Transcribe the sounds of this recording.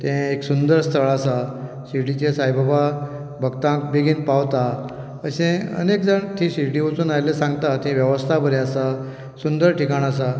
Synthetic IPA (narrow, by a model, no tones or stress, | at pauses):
t̪ɛ̃eksund̪əɾst̪ʰəɭasa | siʈit͡ɕẽsajbabʱa | bʱəɡt̪ãk̚beɡiːnpaʋt̪a | əɕẽə̰nekd͡zaɳt̪ʰĩsiʈiʋət͡suːnajlesãŋɡt̪at̪ɛ̃ʋjəʋəst̪ʰabəɾeasa | sund̪əɾʈikaɳasa